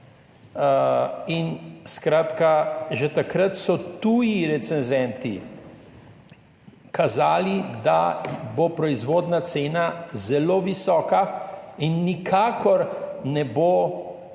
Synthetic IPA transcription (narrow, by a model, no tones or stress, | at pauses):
inskɾaːt̪kaʒɛt̪akɾət̪sɔt̪uːjiɾɛt̪sɛnzɛnt̪i | kʰazaːlid̪a̰bopɾɔizʋoːd̪nat̪seːnazɛloːʋisɔːkainːikʰaːkɔɾnɛbo